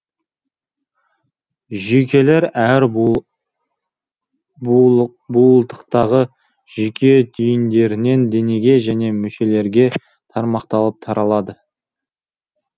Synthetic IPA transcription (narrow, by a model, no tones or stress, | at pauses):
ʒekʲe̞le̞ɾæɾ | bulˠt̪ə̥qt̪ɑʁə | ʒ̥ekʲʰe̞d̪ʰʏjnd̪e̞ɾɪne̞nd̪e̞ne̞ɡʲe̞ʒæne̞mʏʃe̞le̞ɾɡʲe̞ | t̪ʰɑɾmɑqt̪ɑlˠəp̚t̪ʰɑɾʔɑlˠɑd̪ə